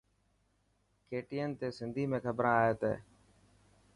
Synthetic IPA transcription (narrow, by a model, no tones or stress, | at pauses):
keːʈiːənt̪eːsɪnd̪ʱiːmẽːkʰəbɾãːaːɦeːt̪ḛː